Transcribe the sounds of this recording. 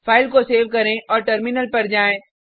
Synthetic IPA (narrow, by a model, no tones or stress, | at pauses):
fʰaːɪlkoseːʋkɐɾẽʔɔːɾʈəɾmɪnəlpɐɾd͡ʒaːẽː